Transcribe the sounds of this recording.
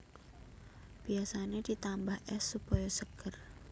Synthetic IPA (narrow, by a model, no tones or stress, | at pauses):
b̥iasanedit̪ambahʔɛsːupɔjɔsəɡər